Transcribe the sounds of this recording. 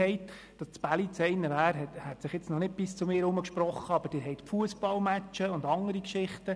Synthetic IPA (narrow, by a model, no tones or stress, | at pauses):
ɛɪt | d̥ɑst͡sb̥ælit͡sɛɪnəʋæːɾɦɛthɛt̪sɪχjɪt͡snɔnɪt̚b̥ɪst͡sʊmɪːɾʊməkʃprɔχːəɑb̥əɾd̥ɪːɾɦɛɪtfuəsb̥ɑlmæt͡ʃəʊndɑŋəɾikʃɪχtə